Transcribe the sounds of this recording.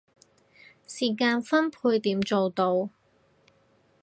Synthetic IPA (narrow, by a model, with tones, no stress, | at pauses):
siː˨˩kaː˧nfɐ˥npʰuː˧jt̪iː˨˥mt͡so˨wt̪o˧w